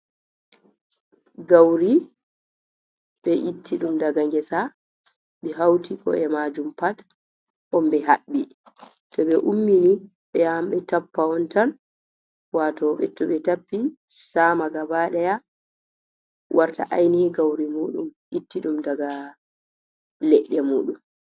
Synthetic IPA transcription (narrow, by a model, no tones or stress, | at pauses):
ɡawɾi | ɓɛʔitːiɗumdaɡaŋɡɛsa | ɓɛɦawtikʰɔ̰ɛmad͡ʒumpat | ʔɔmbɛɦaɓːi | tɔɓɛʔumːini | ɓɛjamɓɛtapːaɔntan | watɔɓɛ̰tɔɓɛtapːisamaɡabaɗɛja | wʔaɾta̰ʔajniɡawɾimuːɗumʔitːiɗumdaɡa | lɛɗːɛmuːɗum